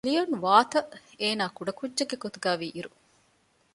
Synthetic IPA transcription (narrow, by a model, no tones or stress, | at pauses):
lijonʋaːt̪ɐeːnaːkuɖɐkudːʒɐɡeɡot̪uɡaːʋiːʔiɾu